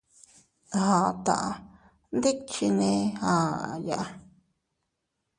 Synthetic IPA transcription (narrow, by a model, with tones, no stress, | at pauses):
hã˨˧t̪a̰˧˨a˧ | nd̪e˦t͡ʃi˧nẽ˧hã˨ja˧˨ʔa˧